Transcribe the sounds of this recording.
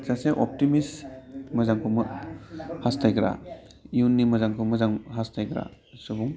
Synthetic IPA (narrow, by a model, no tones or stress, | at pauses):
t͡ʃaseʔɔp̚timismɐzaŋkʰumɯ | hastʰajɡɾa̰ | iunːimɐzaŋkʰumɯzaŋɦastʰajɡɾa̰ | subuŋ